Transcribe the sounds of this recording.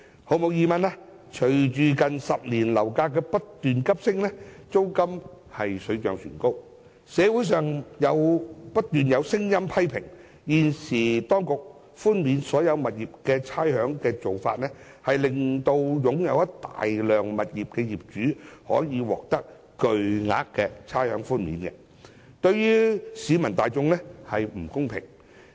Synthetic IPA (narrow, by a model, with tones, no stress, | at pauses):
ho˨˧wmo˨˧wjiː˨˧mɐ˨nlaː˦˥ | t͡ʃʰɵ˨˩ɥt͡ʃyː˨kɐ˨nsɐ˨p̚liː˨˩nlɐ˨˩wkaː˧kɛː˧pɐ˥t̚t̪yː˨nkɐ˥p̚sɪ˥ŋnɛː˥t͡so˥wkɐ˥m | hɐ˨jsɵ˨˧ɥt͡ʃœː˨ŋsy̰ː˨˩nko˥w | sɛː˨˧wuː˨˥js̬œː˨ŋjɐ˨˧wpɐ˥t̚t̪yː˨njɐ˨˧wsɪ˥ŋjɐ˥mpʰɐ˥jpʰɪ̰˨˩ŋ | jiː˨nsiː˨˩t̪ɔː˥ŋkʊ˨k̚ | fuː˥nmiː˨˧nsɔː˨˥jɐ˨˧wmɐ˨t̚jiː˨p̚kɛː˧t͡sʰaː˥jhœː˨˥ŋkɛː˧t͡so˨wfaː˧t̚nɛ˥ | hɐ˨jlɪ˨ŋt̪o˧wjʊ˨˥ŋjɐ˨˧wɐ˥t̪a̰ː˨jlœː˨ŋmɐ˨t̚jiː˨p̚kɛː˧jiː˨˩p̚t͡ʃyː˨˥hɔ̰ː˨˥jiː˨˧wɔ̰ː˨k̚t̪ɐ˥k̚ | kɵ˨˧ɥŋa̰ː˨˥kkːɛː˧t͡sʰaː˥jhœː˨˥ŋfuː˥nmḭː˨˥nkɛ̰˧ | t̪ɵ˧ɥjyː˥siː˨˧mɐ˨˩nt̪aː˨jt͡sʊ˧ŋnɛ˥hɐ˨jm̩˨˩kʊ˥ŋpʰɪ̰˨˩ŋ